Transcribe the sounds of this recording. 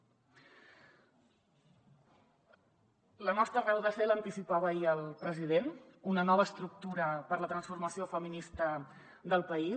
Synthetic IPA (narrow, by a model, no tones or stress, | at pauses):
lənɔst̪ɾərɛwðəsɛlənt̪isipaβəiəlˠpɾəzið̞enunənɔβəːst̪ɾuk̚t̪uɾəpəɾlət̪ɾənsfuɾməsiofəminist̪ə | d̪əlˠpəi